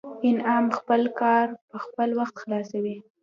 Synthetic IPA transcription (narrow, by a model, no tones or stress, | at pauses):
ɪnɑmxpəlkɑɾpəxpəlwaxt̪xlɑsawi